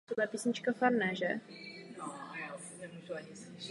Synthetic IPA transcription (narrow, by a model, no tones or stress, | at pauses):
odlɛpisɲɪt͡ʃkafaɾnɛʒɛ | nɛmuʒuaɲɪ